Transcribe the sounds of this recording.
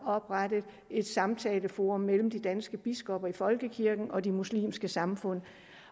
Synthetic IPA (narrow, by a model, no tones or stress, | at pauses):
ɒ̽b̥ʁad̥əð̩ˠ | e̝d̥sɑ̈mt͡sʰɛːləfo̝ːʁɔ̽mːel̰m̩d̥id̥ænsɡ̥əb̥isɡ̥ɒ̽b̥ɐifɒ̽lɡ̥əkʰiɐɡ̥n̩ɒ̽d̥imuslḭːmsɡ̥əsɑ̈mfɔ̽n̰